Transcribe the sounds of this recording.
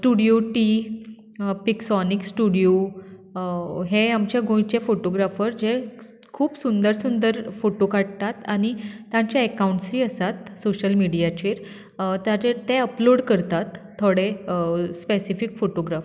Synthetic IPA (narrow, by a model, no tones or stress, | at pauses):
sʈuɽijoʈi | piksɔniksʈuɽijo | ɦeamt͡ɕjaɡõjt͡ɕefoʈoɡɾafəɾd͡ʑe | kʰuːpsund̪əɾsund̪əɾfoʈokʰaɽ̚t̪at̪aɽ̃iːãɲt͡ɕjaekauɳʈsɾiːəsat̪soɕəlmiɽijat͡ɕeːɾ | t̪jaɾet̪eəploɽkəɾt̪at̪ʰːoɽespesifikfoʈoɡɾaf